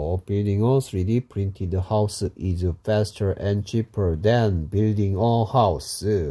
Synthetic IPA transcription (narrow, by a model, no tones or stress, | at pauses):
bildĩŋɔsɹidipʰɹĩntʰɪ̃dəhawsʔisəfɛstʰə˞ʔɛ̃nt͡ʃipʰə˞dɛ̃nbildĩŋɔlhaws